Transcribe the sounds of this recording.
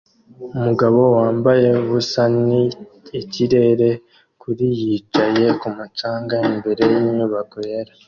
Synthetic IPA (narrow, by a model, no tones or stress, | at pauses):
umuɡaβo̞waːmbaje̞βusaniː | ciɾe̞ːɾe̞ | kuɾijit͡ʃaje̞kumut͡ʃaːŋɡaimbe̞ɾe̞jiɲuβakoeɾa